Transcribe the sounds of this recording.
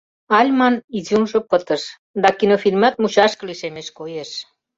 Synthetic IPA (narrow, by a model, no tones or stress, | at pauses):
ɑlʲmɑnizunʒŏpət̪əʃ | d̪ɑkinofilʲmɑt̪̚mut͡ɕɑʃkə̆liʃemeʃkojeʃ